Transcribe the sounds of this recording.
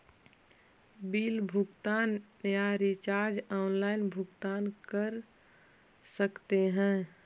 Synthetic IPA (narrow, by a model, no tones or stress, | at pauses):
biːlbʱʊɡt̪aːn | jaɾit͡ʃaːɾd͡ʒaʊnlaːɪnbʱʊɡt̪aːnkəɾ | səkt̪eɦɛ̃ː